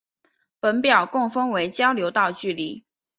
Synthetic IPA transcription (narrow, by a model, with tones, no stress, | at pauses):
pə˧˥npjɑ˨˩ʊkʊ˥˩ŋfə˥ŋwe˧˥ɪt͡ɕjɑ˥ʊljo˧˥ʊt̪ɑ˥˧ʊt͡ɕy˥˨li˨˩˦